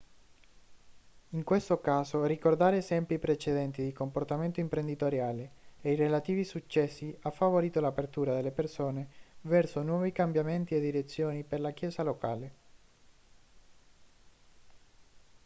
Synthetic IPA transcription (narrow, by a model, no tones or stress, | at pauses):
iŋkwest̪okaːzorikord̪aːɾeːzɛmpipɾet͡ʃed̪ɛnt̪id̪ikomport̪ament̪oimpɾend̪it̪oɾjaːleeirelat̪iːvisut͡ʃːɛsːiafːavoɾiːt̪olapert̪uːɾad̪elːepersoːnevɛrsonwɔːvikambjament̪ied̪iɾet̪sːjoːniperlak̟jɛːsalokaːle